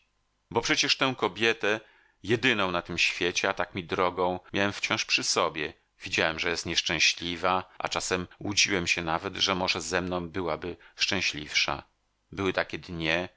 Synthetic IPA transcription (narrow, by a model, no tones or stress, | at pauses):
bɔpʂɛt͡ɕɛʂt̪ɛ̃w̃kɔbʲjɛt̪ɛ | jɛd̪ɘnɔ̃w̃nat̪ɘmɕfʲjet͡ɕɛat̪akmʲid̪ɾɔɡɔ̃w̃mʲjawɛmft͡ɕɔ̃w̃ʂpʂɘsɔbʲjɛ | vʲid͡ʑawɛmʐɛjɛst̪ɲɛʂt͡ʂɛ̃w̃ɕlʲivaʔa̰t͡ʂasɛmwud͡ʑiwɛmɕɛnavɛd̪ʐɛmɔʐɛzɛmnɔ̃w̃bɘwabɘʂt͡ʂɛ̃w̃ɕlʲifʂa̰ | bɘwɘt̪akʲɛd̪ɲɛ